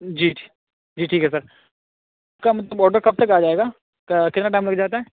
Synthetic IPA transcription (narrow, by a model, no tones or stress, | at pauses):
d͡ʒiːʈʰː | d͡ʒiːʈʰiːkɦɛs̬ɐɾ | pkamɐt̪ləbɔːɾɖəɾkɐb̚t̪ɐkaːd͡ʒaːeːɡaː | kkɪt̪naʈaːɪ̃mlɐɡd͡ʒaːt̪aɦɛː